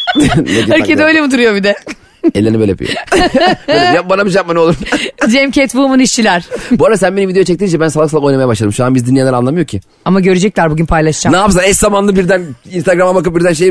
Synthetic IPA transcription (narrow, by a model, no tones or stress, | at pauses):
eøɾcʰed̪ɛø̞jlʲemid̪uɾujo̞bid̪ɛ | ɛlʲːeɾnibelʲepʰḭjo̰ | jabanabiʃ̬ap̚mano̞lˠuɾmd͡ʒɛmcɛt̪vuːmuniʃt͡ʃilʲæɾ̥buaɾasænbenivid̪eut͡ʃʰɛct̪iind͡ʒɛbænsalˠasalˠako̞jnamajabaʃlˠad̪ɯmʃuanbizd̪ynielʲɛɾanˠamɯjocʰi | amaɟø̞ɾyd͡ʒɛc̚lʲæɾbuɟynpʰajlˠaʃd͡ʒanaːpis̬ˠaɛszamanˠɯbiɾd̪æninst̪aɡɾamabakɯp̚biɾd̪ænʃ̬ej